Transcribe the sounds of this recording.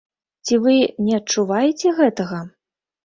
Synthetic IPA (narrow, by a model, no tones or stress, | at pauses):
t͡sʲivɨnʲɛɐt̚t͡ʂːuvajɛt͡sʲɛɣɛt̪ɐɣɐ